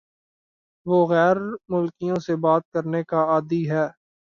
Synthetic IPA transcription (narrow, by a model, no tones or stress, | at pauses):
ʋoːɣɛːɾmʊlkijõsebaːt̪̚kəɾnekaaːd̪iɦɛː